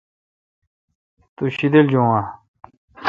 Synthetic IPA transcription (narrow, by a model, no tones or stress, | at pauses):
t̪uɕid̪eld͡ʑoŋwa